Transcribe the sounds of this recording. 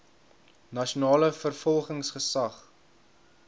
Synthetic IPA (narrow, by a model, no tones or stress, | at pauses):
nɐʃunɑːləfərfɔlˠχəŋsχəsɐχ